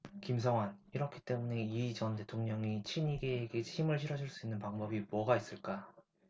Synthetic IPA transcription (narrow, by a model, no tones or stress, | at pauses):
kims̬ʰʌŋwaniɾʌkʰit͈e̞mune̞it͡ɕʌnte̞tʰoŋɲʌŋit͡ɕʰimiɡeːɡe̞t͡ɕʰimɯɭɕʰiɾʌd͡ʑiɭs͈uinːɯnpaŋbʌbimwʌɡais͈ɯɭk͈a